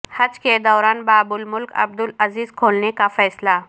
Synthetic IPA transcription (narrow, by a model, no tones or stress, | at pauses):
hət͡sked̪əwɾanbabulmulkʰə̰b̚d̪uləziːzkʰolnekafəjsla